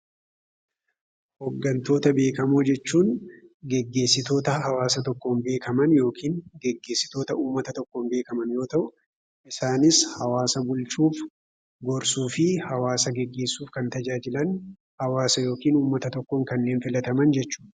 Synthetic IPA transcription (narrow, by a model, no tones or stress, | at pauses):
hɔɡːɐnt̪o̞ːt̪ɐbe̞ːkɐmoːd͡ʒɛt͡ʃːuːnɡɛɡːe̞ːsːɪt̪o̞ːt̪ɐɦɐwaːsɐt̪ɔkːo̞ːnbe̞ːkʰɐmɐnjo̞ːkʰiːnɡɛɡːe̞ːsːɪ̥t̪o̞ːt̪ɐʔuːmːɐt̪ɐt̪ɔkːoːnbe̞ːkɐmɐnjo̞ːt̪ɐʔʊ | ʔɪsaːnɪshɐwaːsɐbʊlt͡ʃuːf | ɡɔɾsuːfɪhɐwaːsɐɡɛɡːe̞ːsːuːfkɐnt̪ɐd͡ʒaːd͡ʒɪlɐn | hɐwaːsɐjo̞ːkiːnuːmːɐt̪ɐt̪ɔkːoːŋkɐnːe̞ːnfɪlɐt̪ɐmɐnd͡ʒɛt͡ʃːu̥ː